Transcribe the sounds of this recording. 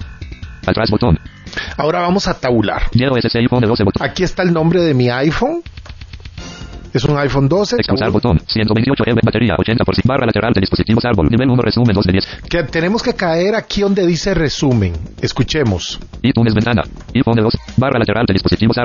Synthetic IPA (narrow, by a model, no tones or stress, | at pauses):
at̪ɾasbot̪onao̞ɾaβamosat̪aβula̰ɾd̪jeoeseseifond̪eoseot̪akiest̪aelnombɾeðemiajfoŋ | esuŋajfond̪oseekspulsaɾbot̪onsjent̪oent̪iot͡ʃoʔeeβat̪eɾia̰ʔot͡ʃent̪apoɾsbarʔalat̪eɾʔald̪eðisposit̪iβosaɾβolniβelunorʔesumend̪oded̪jesket̪ene̞moskekaeɾakʰiðond̪eðiseresumẽŋeskut͡ʃemosit̪unezbent̪ana̰ifond̪eosbarʔalat̪eɾald̪eðisposit̪iβosa